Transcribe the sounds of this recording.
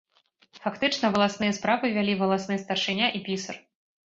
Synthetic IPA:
fakt̪ɨt͡ʂnɐvɐlˠasnɨjɐspɾavɨvʲalʲivɐlˠasnɨjst̪ɐrʂɨnʲaʔipʲisɐr

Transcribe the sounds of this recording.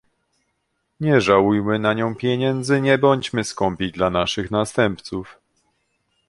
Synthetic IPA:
ɲɛʐawujmɘnaɲɔ̃w̃pʲjeɲɛnd̪zɘɲɛbɔɲd͡ʑmɘskɔmpʲid̪lanaʂɘxnast̪ɛmpt̪suf

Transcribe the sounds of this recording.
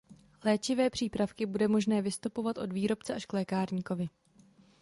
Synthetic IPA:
lɛːt͡ʃɪvɛːpr̥iːpɾafkɪbudɛmo̞ʒnɛːvɪst̪upo̞vat̪ʔo̞dviːɾo̞pt͡sɛʔaʃklɛːkaːɾɲiːko̞vɪ

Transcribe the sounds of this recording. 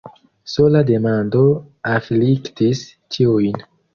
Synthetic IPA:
so̞lade̞mandoafliktis | t͡ʃʰiujn

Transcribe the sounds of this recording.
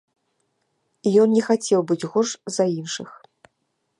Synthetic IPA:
ijɔnnʲɛxat͡sʲɛwbɨd͡zʲɣɔʂzɐinʂɨx

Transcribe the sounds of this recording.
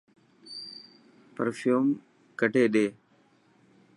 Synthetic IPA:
pəɾfʰjuːm | kəʈeːɗeː

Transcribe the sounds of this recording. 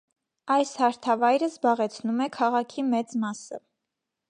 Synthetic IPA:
ɑjshɑɾt̪ʰɑvɑjɾəzbɑʁɛt͡sʰnumɛkʰɑʁɑkʰimɛt͡smɑsə̰

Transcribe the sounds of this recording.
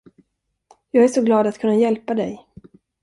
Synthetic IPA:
jɑːɡæʂɔɡlɑːd̪at̪kʰɵnːajɛlpad̪ɛ̰j

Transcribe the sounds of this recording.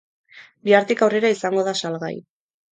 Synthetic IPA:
biaɾt̪ikawre̞ɾaisaŋɡo̞ðasalɣa̰j

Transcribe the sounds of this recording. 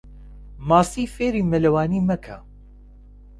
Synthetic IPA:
maːsiːfeːɾiːmɐlɐwaːniːmɐkʰɐ̰

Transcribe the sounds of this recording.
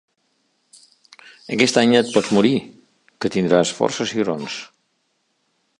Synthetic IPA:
əkɛst̪aɲət̪̚pɔzmuɾi | kət̪ind̪ɾasfɔ̰ɾsəsiɣɾons

